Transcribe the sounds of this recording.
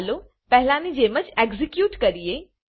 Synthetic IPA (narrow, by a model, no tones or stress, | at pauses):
lo | pɛɦɪlãnid͡ʒeːmət͡ʃeɡzikjuːʈkɐɾieː